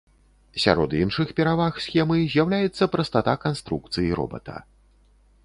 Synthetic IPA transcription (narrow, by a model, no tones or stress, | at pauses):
sʲa̰ɾɔd̪inʂɨxpʲɛɾavaxsʲxʲɛmɨzʲjawlʲajɛt̪sːɐpɾɐst̪at̪akanst̪ɾukt̪sɨjiɾɔ̰bɐ̰t̪ɐ̰